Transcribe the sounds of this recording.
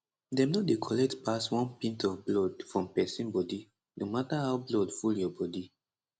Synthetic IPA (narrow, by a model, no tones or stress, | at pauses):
dɛ̃mnodekʰɔlɛk̚tpaswɔ̃npĩntɔvblɔdfɹɔ̃mpɛsĩnbɔdi | nomataɦawblɔdfuljɔbɔdi